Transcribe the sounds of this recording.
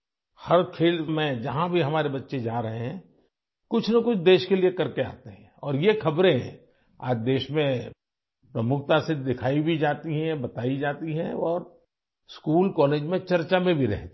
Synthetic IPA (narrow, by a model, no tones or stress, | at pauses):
hɐɾkʰeːlmẽd͡ʒɐɦãbʱiɦɐmaːɾebɐtːʃed͡ʒaːɾɐɦeɦɛ̃ | kʊt͡ʃʰnəkʊt͡ʃʰd̪eːʃkeliekɐɾkea̰ːt̪eɦɛ̃ɔːɾjexɐbɾẽɦɛ̰̃ | a̰ːd͡ʒd̪eːʃmẽ | pɾɐmʊkʰt̪ased̪ɪkʰaːibʱid͡ʒaːt̪iɦɛ̃bɐt̪aːid͡ʒaːt̪iɦɛ̃ɔːɾ | skuːlkɔːleːd͡ʒmẽt͡ʃɐɾt͡ʃamẽbʱiɾɛ̰ɦt̪